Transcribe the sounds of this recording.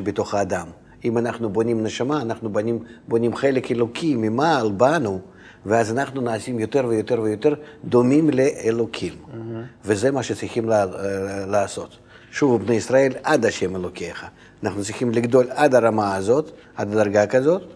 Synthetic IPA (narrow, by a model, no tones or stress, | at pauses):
bet̪o̞χɐːd̪am | imanaχnubo̞nʲimneʃamaːnaχnubnimbonʲimχelʲekelokʲʰimʲimalbanu | veazanaχnunaːsʲimjot̪eɾvəjot̪eɾvəjot̪eɾd̪omʲimlʲeʔelokʲʰimvezɛmaʃet͡ssɪxʲiml | laːso̞t̪ | ʃuvubnejisɾae̞lʲad̪aʃɛmelokʲeχɐ | anaχnut̪sixʲimlʲɪɡd̪o̞lʲad̪aɾamaːzo̞t̪ | ad̪ad̪aɾɡakazo̞t̪